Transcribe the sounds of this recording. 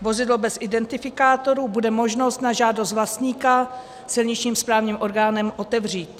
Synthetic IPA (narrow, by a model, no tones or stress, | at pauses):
vo̞zɪdlobɛsʔɪdɛnt̪ɪfɪkaːt̪o̞ɾuːbudɛmo̞ʒno̞st̪naʒaːdost̪vlast̪ɲiːka | sɪlɲɪt͡ʃɲiːmspɾaːvɲiːmʔo̞ɾɡaːnɛmʔo̞t̪ɛvr̝iːt̪